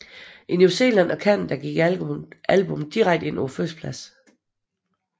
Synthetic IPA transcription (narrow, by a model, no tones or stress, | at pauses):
ʔinuse̝̰ːlæn̰ɒ̽kʰæn̰nd̥æɡ̥iɡ̥ | ælb̥omð̩d̥iʁaɡ̥d̥e̝n̰oføspʰlæs